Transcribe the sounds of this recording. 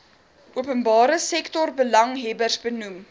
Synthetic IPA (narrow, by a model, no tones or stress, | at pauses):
ʔuəpənbɑːɾəsɛktɔrbəlɐŋɦɛbərsbənum